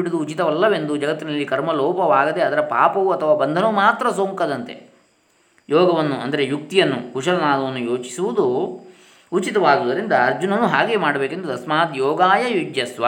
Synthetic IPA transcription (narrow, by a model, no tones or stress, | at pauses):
iɽud̪uːt͡ʃit̪ɐʋɐlːɐʋe̞nd̪ud͡ʒɐɡɐt̪ːinɐlːikɐɾmɐlɔːpɐʋaːɡɐd̪e̞ɐd̪ɐɾɐpaːpɐʋuɐt̪ʰɐʋaːbɐnd̪ʱɐnɐmaːt̪ɾɐs̬oːŋkɐd̪ɐnt̪e̞̰ | jɔːɡɐʋɐnːuʔɐ̰nd̪ɐɾejuk̚t̪ijɐnːṵkuʂɐlɐnaːd̪ɐʋɐnːujoːt͡ʃi̥suʋud̪u | ut͡ʃit̪ɐʋaːɡuːd̪ɐɾind̪ɐːɾd͡ʒunɐnːuɦaːɡe̞ːmaːɽɐbeːkend̪ud̪ɐsmaːt̪jɔːɡaːjɐjud͡ʒjɐsʋɐ̰